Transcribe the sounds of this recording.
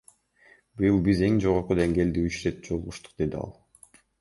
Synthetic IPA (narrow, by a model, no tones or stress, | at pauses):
byjlˠbize̞ŋd͡ʒo̞ʁo̞ɾqud̪e̞ŋɡe̞ːld̪iyt͡ʃɾet̪̚d͡ʒolˠuʁuʃt̪u̥qd̪e̞d̪iɑ̰lˠ